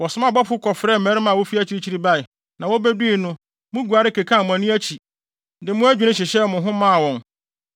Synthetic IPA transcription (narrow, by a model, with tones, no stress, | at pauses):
wɔ˨sʊ˨˦mã˦bɔ˦pʊ˦kʰɔ˨fɾɛː˦˨mæ̃˨˦ɾɪ˦mã˨wɔ˦fi˦æ˦t͡ɕʰi˦ɾi˦t͡ɕʰi˦ɾi˦ba˦ɪ˨ | nã˨wɔ˦bɛ˦di˦i˦˨nʊ̃˦ | mʊ̃˦ɡu˨a˨ɾɪ˦ke˨kʰã˦˨mʊ̃˨æ̃˨nʊ̃˦æ˦t͡ɕʰi˨ | dɪ˨mʊ̃˦æ˦d͡ʑᶣu˨nɪ̃˦ɕɪ˨ɕɛ˦mʊ̃˨ɦʊ̃˦mã˦˨wɔ̃˨n